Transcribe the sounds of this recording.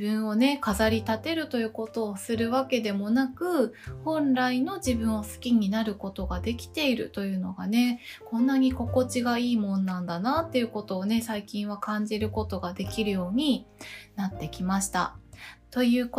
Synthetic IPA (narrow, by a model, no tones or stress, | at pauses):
ɯ̟̃ɰ̃o̞ne̞kazaɾʲit̪at̪e̞ɾɯ̟t̪o̞jɯ̟ːko̞t̪o̞ːsɨɾɯ̟βake̞d̪e̞mo̞nakɯ̟hõ̞nɾaino̞ʑibɯ̟̃ɰ̃osɨ̥kʲiɲ̟inaɾɯ̟ko̞t̪o̞ɡad̪e̞kʲi̥t̪e̞iɾɯ̟̰t̪o̞jɯ̟ːno̞ɡane̞kõ̞nːaɲ̟iko̞ko̞t͡ɕiɡaiːmõ̞nːãnd̪anat̪ːe̞jɯ̟ko̞t̪o̞ːne̞saikʲĩɰ̃β̞akãɲ̟d͡ʑiɾɯ̟ko̞t̪o̞ɡad̪e̞kʲiɾɯ̟jo̞ːɲ̟inat̪ːe̞kʲimaɕi̥t̪a̰t̪o̞jɯ̟ːko